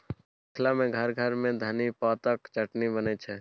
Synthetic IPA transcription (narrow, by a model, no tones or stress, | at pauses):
kʰlamẽɡʱɐɾɡʱəɾmẽd̪ʱɐnipaːt̪əkt͡ʃɐʈnibənet͡ʃʰɛ